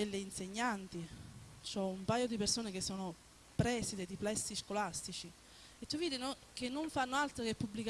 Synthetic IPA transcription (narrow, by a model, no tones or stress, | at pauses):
elːeinseɲːant̪it͡ʃoɛumpaːjod̪ipersoːnek̟esːoːno | pɾɛːsid̪ed̪iplɛsːiskolast̪it͡ʃi | et̪ːuvːiːd̪inokenːoɱfanːoalt̪ɾokepːubːlik